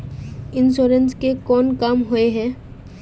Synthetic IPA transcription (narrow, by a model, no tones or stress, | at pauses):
ɪnsoːɾənskekɔːnkaːmɦoeɦɛː